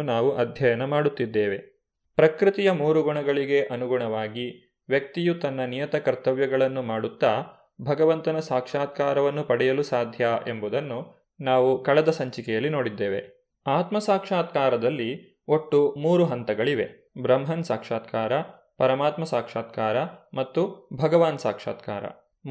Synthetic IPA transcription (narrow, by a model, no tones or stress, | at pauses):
naːʋuʔɐd̪ʱjɐjɐnɐmaːɽut̪ːid̪ːeːʋe̞ | pɾɐkɾit̪ijɐmuːɾuɡuɳɐɡɐɭiɡe̞ʔɐnuɡuɳɐʋaːɡi | ʋjɐk̚t̪ijut̪ɐnːɐnijɐt̪ɐkɐɾt̪ɐʋjɐɡɐɭɐnːumaːɽut̪ːaː | bʱɐɡɐʋɐnt̪ɐnɐsaːkʂaːt̪̚kaːɾɐʋɐnːupɐɽɛjɐlusaːd̪ʱjaʔe̞mbud̪ɐnːu | naːʋukɐɭɛd̪ɐsɐɲt͡ʃikɛjɐlːino̞ːɽid̪ːeːʋe̞̰ | aːt̪mɐsaːkʂaːt̪̚kaːɾɐd̪ɐlːi | o̞ʈːumuːɾuɦɐnt̪ɐɡɐɭiʋe̞ | bɾɐmɦɐnsaːkʂaːt̪̚kaːɾɐ | pɐɾɐmaːt̪mɐsaːkʂaːt̪̚kaːɾɐmɐt̪ːubʱɐɡɐʋaːnsaːkʂa̰ːt̪ka̰ːɾɐ̰